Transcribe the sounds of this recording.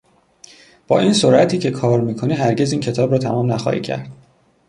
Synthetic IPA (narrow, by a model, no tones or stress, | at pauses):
b̥ɒ̰ːiːnsoɾʔæt̪ʰiːcʰe̞kʰɒːɾmiːkʰo̞niːɦæɾɟe̞ziːncʰe̞t̪ʰɒːbɾɒːt̪ʰæmɒːmnæxɒ̰ːhḭːcʰæ̰ɾd̪̥̚